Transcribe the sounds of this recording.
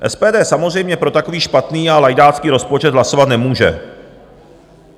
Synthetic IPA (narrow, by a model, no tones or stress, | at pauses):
ʔɛ̰spɛːdɛːsamozrɛjmɲɛpɾo̞t̪akoviːʃpat̪niːalajdaːt͡skiːɾo̞spo̞t͡ʃɛd̪ɦlaso̞vat̪nɛmuːʒɛ̰